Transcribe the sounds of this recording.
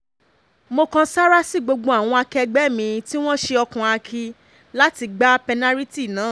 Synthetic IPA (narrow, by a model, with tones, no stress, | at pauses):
mo˧kã˧sa˦ɾa˦si˦˨ɡ͡bo˧ɡ͡bõ˧a˨w̃ɔ̃˧a˧kɛ˧ɡ͡bɛ˦mĩ˧ti˦w̃ɔ̃˦ʃe˧ɔ˧kã˨a˧kʰi˧ | la˦ti˧ɡ͡ba˦pɛ˧na˦ɾi˦ti˦˨nã˨˦˨